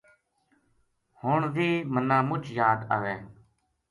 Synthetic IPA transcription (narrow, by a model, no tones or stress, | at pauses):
hʊɳʋiːmənãːmʊt͡ʃjaːd̪a̰ːʋẽː